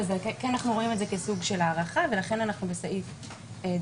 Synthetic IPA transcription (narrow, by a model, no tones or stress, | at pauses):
zekknanaχnuʁo̞imetzekesuɡʃe̞laːʁaχave̞laχe̞nanaχnube̞saʔif | e